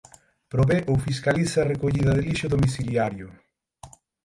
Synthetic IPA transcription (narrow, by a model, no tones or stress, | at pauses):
pɾoβeʔofiskalisarekoʎiðɐðeliʃʊðomiθiljaɾjʊ